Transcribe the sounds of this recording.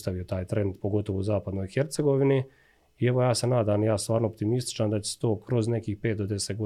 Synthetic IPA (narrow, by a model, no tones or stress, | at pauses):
st̪aʋio̞t̪aːjt̪ɾe̞nd̪po̞ɡo̞t̪o̞ʋouzaːpad̪nojxe̞ɾt̪se̞ɡo̞ʋini | ieʋo̞jaːse̞naːd̪amjaːst̪ʋaːɾnoːp̚t̪imist̪i̥t͡ʃand̪at͡ɕe̥se̥t̪oːkɾo̞zne̞kiːxpeːt̪d̪od̪eset̪ɡo